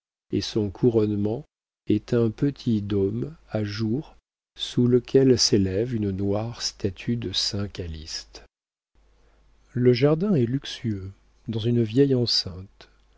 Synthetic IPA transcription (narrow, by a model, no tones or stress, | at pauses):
esɔ̃kʰuʁɔnmɑ̃ | ɛt̪ɛ̃pət̪ʰid̪ɔmaʒuʁ | suləkʲʰɛlselɛvynənwaʁst̪at̪ʰyd̪əsɛ̃kalḭst̪ | ləʒaʁd̪ɛ̃ɛlyksyø | d̪ɑ̃zynvjɛjɑ̃sɛ̃t̪